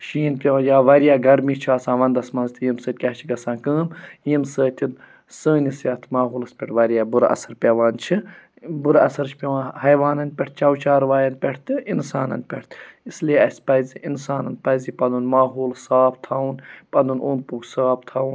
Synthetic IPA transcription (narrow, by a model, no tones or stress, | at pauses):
ʃiːnpʲeʋãːnjaːʋɐɾjaːɡɐɾmit͡ʃʰiaːsãːʋɐnd̪ɐsmɐnzt̪ijimsəːt̪̚ʲkʲɐːt͡ʃʰiɡɐsãːnkəːmjimsəːt̪ʰin | səːnʲisjat̪ʰmaːɦuːlɐspʲɛʈʰʋɐɾjaːbuɾɐ̰sɐɾpʲɐʋaːnt͡ʃʰi | buɾɐ̰sɐɾt͡ʃʰpʲeʋãːnhɐjʋaːnɐn̚ʲpʲɛʈ̪̚ʰt͡ʃɐwt͡ʃaːɾʋaːjɐnpʲeʈʰt̪ɨinsaːnɐ̰npʲeʈʰt̪islieɐsʲpɐziinsaːnɐnpɐjzipɐnunmaːɦuːlsaːp̚t̪ʰawunpɐnd̪unoːnpuɡsaːp̚ʰt̪ʰawn